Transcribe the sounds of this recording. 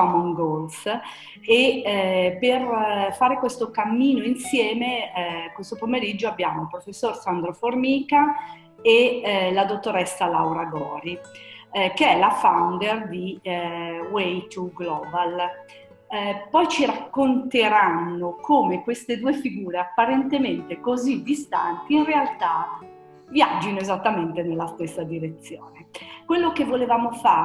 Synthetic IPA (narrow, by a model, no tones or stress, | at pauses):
ɔmoŋɡols | e | perfaːɾekwest̪okamːiːnoinsjɛːmekwest̪opomeɾid͡ʒːoabːjaːmolpɾofesːorsand̪ɾoformiːka | elad̪ot̪ːoɾɛsːalawɾaɡɔːɾi | keɛlafawnd̪erd̪i | wejt̪uɡlɔːbal | pɔjt͡ʃiɾakːont̪eɾanːokʰoːmekwest̪ed̪uːefiɡuːɾeapːaɾent̪ement̪ekozid̪ist̪ant̪iːnrealt̪a | vjad͡ʒːinoezat̪ːament̪enelːast̪esːad̪iɾet̪sːjoːnekwelːokevːolevaːmofaː